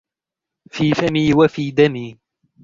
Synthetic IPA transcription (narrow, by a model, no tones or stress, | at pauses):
fiːfamiːwafiːd̪amiː